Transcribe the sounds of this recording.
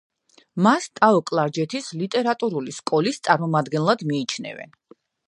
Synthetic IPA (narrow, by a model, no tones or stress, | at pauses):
mast̪ʼaɔkʼlˠaɾd͡ʒɛt̪ʰislit̪ʼɛɾat̪ʼuɾuliskʼɔlist̪sʼaɾmɔmad̪ɡɛnlˠad̪miːt͡ʃʰnɛ̰vɛ̰n